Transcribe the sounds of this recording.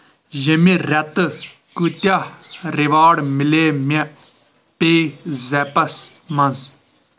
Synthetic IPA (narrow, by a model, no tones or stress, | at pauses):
jəmĩɾɛt̪ | kut̪aɾɪʋaːɽmɪleːmʲɛ | peːzɛpɐsmɐ̃nz